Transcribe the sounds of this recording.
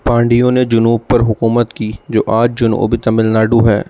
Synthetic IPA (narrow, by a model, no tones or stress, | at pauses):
pãːɳɖɪjõned͡ʒʊnuːb̚pɐɾɦʊkuːmət̪kiːd͡ʒo̰ːʔaːd͡ʒd͡ʒʊnṵo̰bit̪ɐmɪlnaːɖuɦɛ̰ː